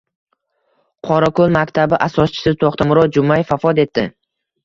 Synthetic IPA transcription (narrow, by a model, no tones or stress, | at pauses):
qʰɒɾakolˠmakʲt̪ʰabɪʔasɒst͡ʃʰɪ̥sɪt̪ʰoχt̪ʰamʊɾɒd͡ʒʊmajfafɒd̪e̞t̪ːɪ